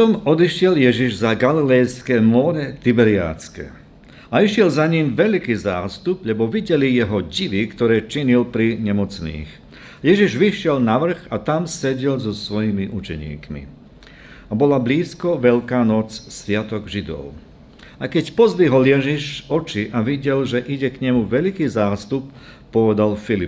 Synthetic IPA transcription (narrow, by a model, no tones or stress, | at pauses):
pt̪ɔmɔd̪iʃɪɛljɛʒiʒzaɡalilɛjskɛmɔɾɛt̪ibɛɾia̰ːt͡skɛ̰ | aiʃɪɛlzaɲimʋɛʎkiːzaːst̪ubʎɛbɔʋiɟɛlijɛɦɔɟiʋikt̪ɔɾɛːt͡ʃiɲilpɾiɲɛmɔt͡snḭːx | jɛʒiʒʋiʃɪɛlnaʋr̩ɣat̪amsɛɟɛlzɔsʋɔjimiʔut͡ʃɛɲḭːkmḭ | abɔlabliːskɔʋɛʎkaːnɔt͡ssʋɪat̪ɔɡʒid̪ɔ̰ʊ | aɪkɛcpɔzliɦɔljɛʒiʃɔt͡ʃiʔaʋiɟɛlʒɛʔiɟɛkɲɛmuʋɛʎkiːzaːst̪up̚ː | ɔʋɛd̪alfilip